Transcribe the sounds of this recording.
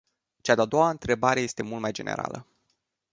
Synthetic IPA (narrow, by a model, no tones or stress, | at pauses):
t͡ʃad̪ead̪o̞waɨnt̪ɾe̞baɾe̞je̞st̪e̞mult̪majd͡ʒe̞nḛɾa̰lə̰